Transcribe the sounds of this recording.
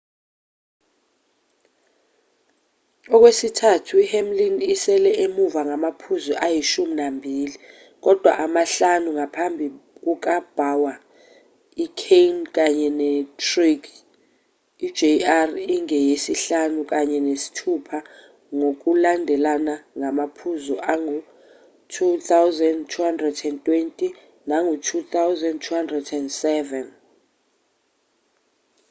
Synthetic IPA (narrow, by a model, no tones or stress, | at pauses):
ɔk̬wesitʰatʰuihɛmlinisɛlɛʔemuvaŋamapʰuzuʔajiʃuminambʱiːli | k̬ɔd̥ʱwa̰ʔamaɬanuŋapʰambʱik̬uk̬ab̥ʱawa | ikʰejnk̬ʼaɲɛnɛtʰrik | i̥d͡ʒeariŋɛjesiɬanukʼaɲɛnesi̥tʰupʰa | ŋok̬ʼulandʱɛlanaŋamapʰuzɔʔaŋu | tʰut̪ʰawzɛndtʰuɦandrɛdɛntʼwentʼi | naŋɡʱutʰut̪ʰawzɛndtʰuhandrɛdɛndsɛvɛn